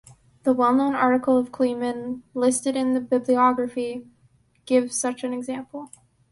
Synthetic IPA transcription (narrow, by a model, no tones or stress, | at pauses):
ðəwɛlˠnõʊ̃nɑɹɾɨkl̩ˠʌv̥kʰl̥imɨ̃nlɪstɨɾɨ̃nðɨbɪbliɑɡɹɨfi | ɡ̥ɪv̥z̥sʌt͡ʃɨ̃nɨɡzæ̃mpl̩ˠ